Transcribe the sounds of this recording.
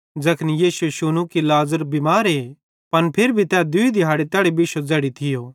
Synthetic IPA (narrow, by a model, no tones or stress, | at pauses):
d͡zɐkʰnijeːseʃunukilaːzəɾbimaːɾe | pɐnpʰeɾbʱit̪ːad̪ʊid̪ɪɦaːɽet̪ɛːɽebiʃod͡zɛːɽit̪ʰɪjoː